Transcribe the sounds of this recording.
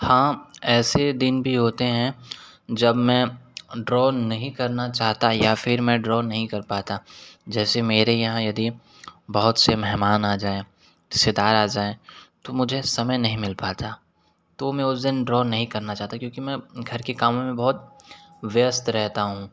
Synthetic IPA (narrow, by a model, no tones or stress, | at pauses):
hãːɛːsed̪ɪnbʱiɦoːt̪eɦɛ̃d͡ʒɐbmɛ̃ɖɾɔːnɐɦĩkɐɾnat͡ʃaːɦt̪ajafɪɾmɛ̃ɖɾɔːnɐɦĩkɐɾpaːt̪ad͡ʒɛːsemeːɾejɐɦãjɐd̪i | bɐɦʊt̪semɛɦmaːnaːd͡ʒaːe | ɪsed̪aːɾaːd͡ʒaːet̪omʊd͡ʒʱesɐməjnɐɦĩmɪlpaːt̪a | t̪omẽʊsd̪ɪnɖɾɔːnɐɦĩkɐɾnat͡ʃaːɦt̪akjõːkimɛ̃ɡʱɐɾkekaːmõmẽbɐɦʊt̪̚ʋst̪ɾɛɦt̪aɦũː